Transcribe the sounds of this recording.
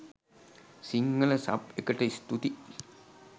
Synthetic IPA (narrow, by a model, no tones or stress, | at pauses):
siŋːələsa̰pekəʈəist̪ut̪i